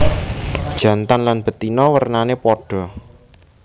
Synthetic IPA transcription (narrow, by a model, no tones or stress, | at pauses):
d̥ʒ̥ä̤nt̪anlanb̥ə̤t̪inɔwərnanepɔɖ̥ɔ̤